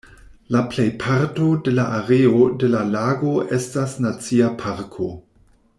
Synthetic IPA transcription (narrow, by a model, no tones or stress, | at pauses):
laplejpʰaɾtode̞laʔaɾeode̞lalaɡo̞ʔestasnat͡siapʰaɾkʰo̞